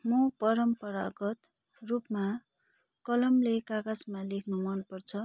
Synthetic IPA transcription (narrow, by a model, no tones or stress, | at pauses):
mupʌɾʌmpʌɾa̰ɡʌt̪ | rupma | kʌlʌmlekakad͡zmalekʰnumʌnpʌrt͡sʰʌ